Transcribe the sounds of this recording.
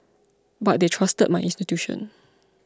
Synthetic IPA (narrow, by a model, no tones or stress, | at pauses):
bat̚detʰɹastə̰d̚maɪʔĩnstitjuʃɔ̰̃n